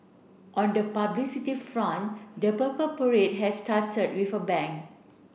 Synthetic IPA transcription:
ʔɔ̃ndəpablisitifɹãndəpəpəpəɹed̚ɦɛstatəd̚wifəbɛ̃ŋk

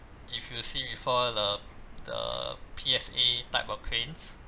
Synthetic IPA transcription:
ifjusibifɔdədə̰pʰiɛsetaɪpɔfkʰlẽns

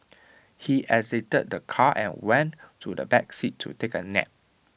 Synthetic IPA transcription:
hiʔɛsetəd̚dəkʰaʔɛ̰̃nwɛ̃nʰudə̰bɛksitʰːṵtekənɛ̰p̚

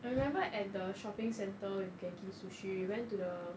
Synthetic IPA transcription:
aɹimɛ̃mbəʔɛt̚dəʃɔpɪ̃ŋsɛ̃ntəjukɛ̃nɡisuʃijiwɛ̃ntudə

